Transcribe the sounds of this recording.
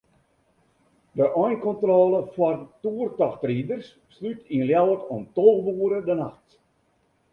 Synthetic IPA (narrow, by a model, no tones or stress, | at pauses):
dəʔɔjnkɔntrɔːlˠəfwartuərtɔxtridərsːlytʰinljawətɔmtolɣʋuːɾədənaxt